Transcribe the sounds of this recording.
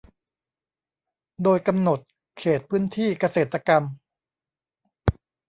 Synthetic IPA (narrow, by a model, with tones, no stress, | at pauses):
doː˧jka˧mno˨˩t̪̚ | kʰeː˨˩t̪̚pʰɯː˥˨nt̪ʰiː˥˩ka˧seː˨˩t̪ːa˧ka˧m